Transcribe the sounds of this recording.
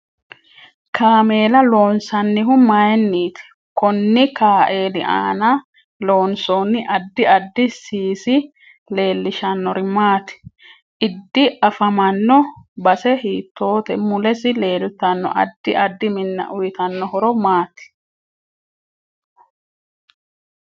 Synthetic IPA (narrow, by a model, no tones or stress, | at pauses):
kʰaːme̞ːlɐlo̞ːnsɐnːɪɦʊmɐjɛnːiːt̪ɪ̥ | kɔnːɪkaːʔe̞ːlɪ̰ʔa̰ːnɐ | lo̞ːnsoːnːɪʔɐd̪ːɪɐd̪ːɪsiːsɪ | le̞ːlːɪʃɐnːɔɾɪmaːt̪ɪ̥ | ʔɪd̪ːɪʔɐfɐmɐnːɔbɐsɛhiːt̪ːo̞ːt̪ɛmʊlɛsɪle̞ːlʊt̪ːɐnːɔ̰ʔɐ̰d̪ːɪʔɐd̪ːɪmɪnːɐ̰ʔʊjɪt̪ɐnːɔhɔɾɔmaːt̪ɪ̥